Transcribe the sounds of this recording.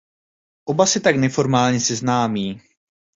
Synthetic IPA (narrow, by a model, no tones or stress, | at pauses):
ʔobasɪt̪aknɛfo̞ɾmaːlɲɛsɪznaːmiː